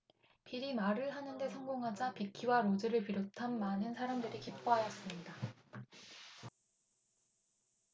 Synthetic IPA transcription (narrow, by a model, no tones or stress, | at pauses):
piɾimaɾɯɭɦanɯnde̞sʰʌŋɡoŋɦad͡ʑapikʰiwaɾod͡ʑɯɾɯɭpiɾotʰanmanɯnsʰaɾamdɯɾikip͈ʰoɦajʌs͈ɯmɲida